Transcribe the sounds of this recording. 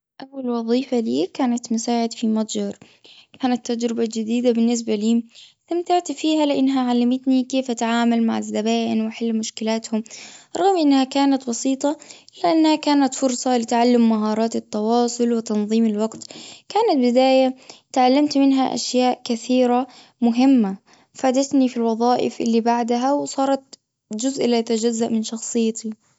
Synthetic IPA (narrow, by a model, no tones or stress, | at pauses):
ʔawːalwɑðˤiːfaliːkaːnat̪mʊsaːʕɪd̪fimɑt̪ˤd͡ʒɑɾˤ | kaːnat̪ːad͡ʒɾɪbad͡ʒɪd̪iːd̪abɪnːɪs̬baliːst̪amt̪aʕt̪fiːɦalɪʔanːɦaʕalːamɪt̪nikeːfʔat̪ʕaːmalmaʕazːabaːʔɪnwɪħɪlːmʊʃkɪlaːt̪hʊmɾˤɑɣmʔɪnːhakaːnat̪bɑsiːt̪ˤɑʔɪlːaʔanːhakaːnat̪fʊɾsˤɑlɪt̪ʕalːʊmːaɦɑːɾˤɑːt̪ɪt̪ːɑwɑːsˤʊlwɪt̪ɑnðˤiːmɪlwɑɡt̪kaːnat̪̚bɪd̪aːjat̪ʕalːamt̪mɪnɦaʔa̰ʃjaːʔkɪθiːɾa | mʊɦɪmːa | faːd̪at̪nifilwɑðˤɑːʔɪ̰fʔɪlːibaʕd̪aɦawsˤɑːɾˤɑt̪̚ | d͡ʒʊzʔɪlajat̪ad͡ʒazːaʔmɪnʃɑxsˤɨjːat̪i